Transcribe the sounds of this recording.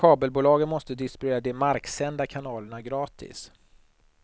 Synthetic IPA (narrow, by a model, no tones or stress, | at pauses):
kʰɑːbəlbuːlɑːɡənmɔst̪əd̪ɪst̪eːɾad̪ɛmaɾksɛnd̪akʰanɑːləɳaɡɾɑːt̪ʰɪ̰s